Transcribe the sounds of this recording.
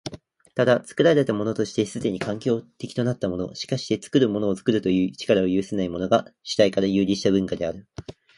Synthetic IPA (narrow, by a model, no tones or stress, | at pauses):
t̪ad̪at͡sɨ̥kɯ̟ɾaɾe̞t̪amo̞no̞t̪o̞ɕi̥t̪e̞sɨd̪e̞ɲ̟ikãŋkʲo̞ːt̪e̞kʲi̥t̪o̞nat̪ːamo̞no̞̰ɕi̥kaɕi̥t̪e̞t͡sɨ̥kɯ̟ɾɯ̟mo̞no̞ːt͡sɨ̥kɯ̟ɾɯ̟t̪o̞jɯ̟ːt͡ɕi̥kaɾao̞jɯ̟ːsenaimo̞no̞ɡaɕi̥t̪aikaɾajɯ̟ːɾʲiɕi̥t̪abɯ̟̃ŋkad̪e̞aɾɯ̟